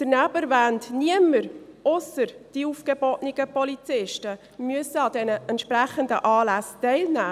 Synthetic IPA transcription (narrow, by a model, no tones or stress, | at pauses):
d̪̥əɾnæbəɾvæntniəməɾʊsəɾd̥iuːfɡ̥əbɔtniɡ̥əpɔlit͡sɪʃtə | myəsəɑdɛnəɛntʃpɾæχəndəʔɑːlæstɛɪlnæː